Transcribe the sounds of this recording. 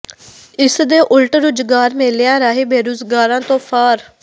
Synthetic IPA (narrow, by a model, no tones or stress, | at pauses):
ɪsd̪eːʔʊlʈɾʊd͡ʒɡaːɾmeːlejãːɾaːɦeːbeːɾuːzɡaːɾãːt̪õːpʰaːɾ